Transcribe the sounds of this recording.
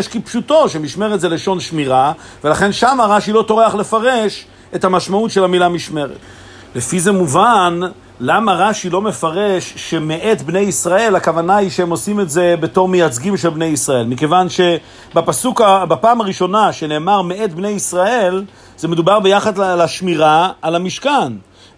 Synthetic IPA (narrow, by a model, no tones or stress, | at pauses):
jeʃkipʃuto̞ʃemiʃme̞ʁet̪zele̞ʃo̞nʃmiʁa | ve̞laχe̞nʃamaʁaʃilo̞to̞ʁeaχle̞faʁe̞ʃ | e̞tamaʃmautʃe̞lamilamiʃme̞ʁḛt | le̞fize̞muvan | lamaʁaʃilo̞me̞faʁe̞ʃːe̞meʔetbne̞jisʁae̞lakavanaiʃeemo̞sime̞tze̞be̞to̞ʁmejat͡sɡimʃelbne̞jisʁae̞lmike̞vanʃe̞ | bapasukabapaːmaʁiʃo̞naʃe̞ne̞ːmaʁmee̞tbne̞jisʁae̞l | zeme̞dubaʁbejaχadlaʃmiʁaːlamiʃkan